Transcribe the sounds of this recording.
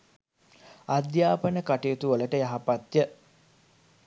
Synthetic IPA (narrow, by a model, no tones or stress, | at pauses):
ad̪jaːpənəkaʈejot̪uoləʈəjaɦapat̪jə